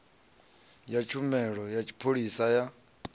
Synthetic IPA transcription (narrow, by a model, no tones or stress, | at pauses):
jat͡ʃʰumɛɺɔjat͡ʃʰi̥pʰoɺisaja